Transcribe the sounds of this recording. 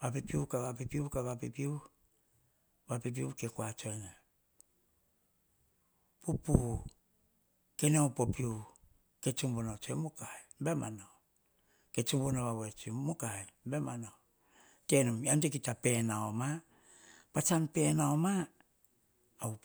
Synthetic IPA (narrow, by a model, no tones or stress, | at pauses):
bapipiukaβapipiukaβapipiu | bapip̬iukekuat͡ʃoena | pupu | keneawpopiu | ket͡ʃumbonat͡ʃoemukaebema̰no | ket͡ʃumbonoβawet͡ʃumukaembemano | tenumjamtek̬itapenaoma | pat͡ʃanpenaoma